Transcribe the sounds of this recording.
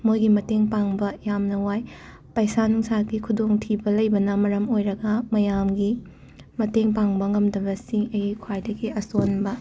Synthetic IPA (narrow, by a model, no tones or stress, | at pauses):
mojɡimɐteŋpaŋbɐjamnɐwaj | pɐjsanuŋsaɡikʰudoŋtʰibɐlɐjbɐnɐmɐɾɐmojɾɐɡɐmɐjamɡi | mɐteŋpaŋbɐŋɐmdɐbɐsiŋɐjikʰwajdɐɡiɐsonbɐ